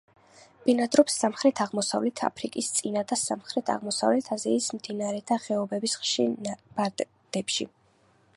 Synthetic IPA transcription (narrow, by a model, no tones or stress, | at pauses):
b̥inad̪ɾɔpsːamχɾɛt̪ʰaʁmɔsa̰vlɛt̪ʰa̰pʰɾikʼist̪sʼinad̪asamχɾɛt̪ʰa̰ʁmɔsa̰vlɛt̪ʰaziismd̪inaɾɛt̪ʰaχɛɔbɛbisχʃinab̥a | d̪̥ɛpʃḭ